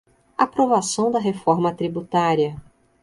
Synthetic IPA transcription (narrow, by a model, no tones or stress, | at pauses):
apɾovasɐ̃w̃d̪ɐɦefɔɾmɐt̪ɾibut̪aɾiɐ